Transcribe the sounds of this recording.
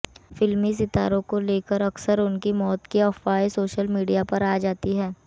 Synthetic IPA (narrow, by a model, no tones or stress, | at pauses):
fɪlmis̬ɪt̪a̰ːɾõkoleːkəɾɐksəɾʊnkimɔːt̪kiɔfaːesoːʃəlmiːɖijapɐɾaːd͡ʒaːt̪iɦɛː